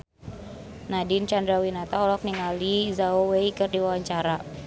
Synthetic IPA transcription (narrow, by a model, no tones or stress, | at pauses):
nadint͡ʃand̪ɾawinat̪aɔlɔk̚niŋalizaoweikərdiwawaɲt͡ʃaɾa